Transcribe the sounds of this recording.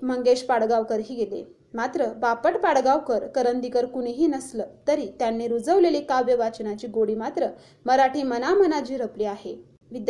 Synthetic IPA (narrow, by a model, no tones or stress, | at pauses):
m̤əŋɡeɕpaɽɡaʋkəɾɦiːɡelḛ | mat̪ɾəbapəʈpaɽɡaʋkəɾkəɾənd̪ikəɾkuɽ̃iɦiːnəsləːt̪əɾiːt̪janːeɾud͡zəʋlelikaʋjəʋat͡ɕnat͡ɕiːɡoɽiːmat̪ɾə | məɾaʈʰiːmənamənat͡ɕiːɾəpliːaɦe | ʋid̪j